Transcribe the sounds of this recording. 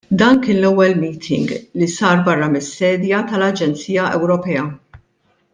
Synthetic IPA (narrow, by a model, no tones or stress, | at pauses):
d̪ɐːnkɪːnlɛwːɛlmiːt̪ʰɪ̰ŋɡlisɐːɾbɐrːɐmɪsːɛːd̪jɐt̪ɐlɐd͡ʒɛnt͡siːjɐʔɛwɾɔpɛːɐ